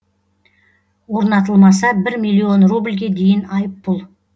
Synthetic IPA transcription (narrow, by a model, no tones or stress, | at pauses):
wo̞ɾnɑt̪̬əlˠmɑsɑbɪɾmʲilʲːio̞nrublʲɡʲe̞d̪e̞jɪnɑjəpːʊlˠ